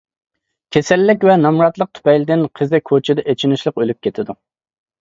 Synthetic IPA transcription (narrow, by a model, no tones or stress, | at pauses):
kʲʰesɛlːɪk̬ʲvɛnɑmɾɑt̪lˠəq̚t̪ʰy̥pɛjlɪd̪ɪnqʰəzɛkʰot͡ʃʰɪd̪ɛʔet͡ʃʰinɪʃlˠəqølyp̚kʲʰet̪ʰɪd̪u